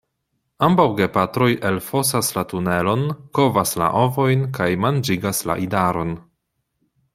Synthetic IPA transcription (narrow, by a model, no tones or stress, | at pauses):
ambawɡe̞patɾo̞jʔelfo̞saslatune̞lo̞nko̞vasla̰ʔo̞vo̞jnkajmand͡ʒiɡasla̰ʔidaɾo̞n